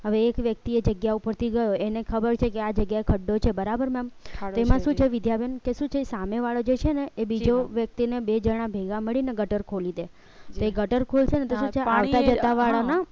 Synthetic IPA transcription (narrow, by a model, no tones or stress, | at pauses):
ɦəʋeːkʋjək̚t̪ied͡ʒəɡjaupəɾt̪iɡəjoenekʰəbəɾt͡ʃʰekead͡ʒəɡjaekʰəɖːot͡ʃʰebəɾabəɾmɛmt̪oemãʃũt͡ʃʰeʋid̪jabʱənkeʃũt͡ʃʰesameʋaɭod͡ʒet͡ʃʰeneebid͡ʒoʋjək̚t̪inebed͡ʒəɽ̃ãbʱeɡãməɭineɡəʈəɾkʰolid̪e | t̪oeɡəʈəɾkʰolt͡ʃʰenet̪oʃũt͡ʃʰeaʋt̪ad͡ʒət̪aʋaɭana